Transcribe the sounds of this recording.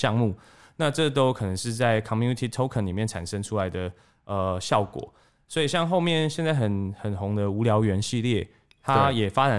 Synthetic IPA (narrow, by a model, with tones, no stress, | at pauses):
jɑ˥˧ŋmu˥˩ | na˥˧ʈ͡ʂɤ˥t̪o˥ʊkʰɤ˨˩nə˧˦ŋʂɻ̩˥˧t͡sa˥˩ɪkʰɑ˨˩mju˥˧ni˨˧t̪ʰi˨˩t̪ʰo˥ʊkʰə˨˥nli˨˩mjɛ˥˩nʈ͡ʂʰa̰˨˩nʂə˥ŋʈ͡ʂʰu˥la˧˦ɪd̪ə˨ | ə˨ɕjɑ˥˩ʊkwɔ̰˨˩˦ | swɔ˧˥i˨˩ɕjɑ˥˧ŋxo˥˧ʊmjɛ˥˨nɕjɛ˥˧nt͡sa˥˩ɪxə˨˩nxə˨˩nɦʊ˧˦˥ŋd̪ə˧u˧˥ljɑ˧˥ʊɥɛ˧˥nɕi˥˧ljɛ˥˩ | t̪ʰa˦jɛ˨˩fa˦t͡sa˨˦